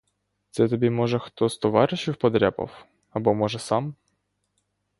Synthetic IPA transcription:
t̪sɛt̪ɔbʲimɔʒɛxt̪ɔst̪ɔʋɑɾɪʃiwpɔd̪ɾʲɛpɔ̰w | ɐbɔmɔʒɛsɑm

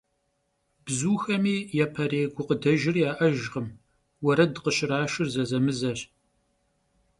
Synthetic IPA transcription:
b̥zuːxɐmiːjapʰɐɾeːɡʷʊqədɐʒɪrjaːʔɐʒʁəm | wɐɾɐdqəɕɪɾaːʃɪrzɐzɐmɨzɐɕ

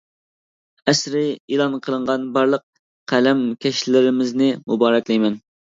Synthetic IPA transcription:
ɛsɾɪilˠɑnqʰəlˠəɴʁɑnbɑɾlˠəq̚ | qʰælɛmkʲʰɛʃlɪɾɪmɪznɪmubɑːɾɛkʲlˠijmɛn

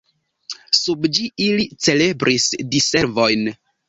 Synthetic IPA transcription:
subd͡ʒiilit͡se̞le̞bɾʔisdise̞ɾvo̞jn

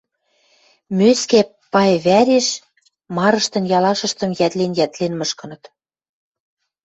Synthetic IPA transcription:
møskæpːɑjβæɾeʃ | mɑɾɤ̆ʃt̪ɤ̆njɑlɑʃɤ̆ʃt̪ɤ̆mjæt̪lenjæt̪lenmɤʃkɤ̆nɤ̆t̪

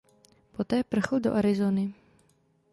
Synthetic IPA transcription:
pɔt̪ɛːpr̩xəld̪ɔ̰ʔaɾizoːni

